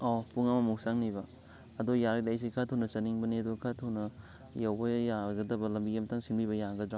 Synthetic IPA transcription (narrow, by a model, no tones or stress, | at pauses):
ɔpuŋamɐmuwsaŋnibɐ | ɐdojaɾdajs̬ikʰatʰawnɐt͡ʃɐniŋbɐniɐdokʰatʰawnɐ | jawbɐjaɡɐdɐbɐlɐmbijemtʰaŋsinbibɐjaɡɐdɾa